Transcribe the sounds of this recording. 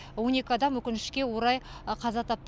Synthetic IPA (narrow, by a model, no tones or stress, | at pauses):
wo̞ne̞kʲɪɑd̪ɑmwɵkʲɪnɪʃkʲe̞wo̞ɾɑjqʰɑzɑt̪ʰɑp̚t̪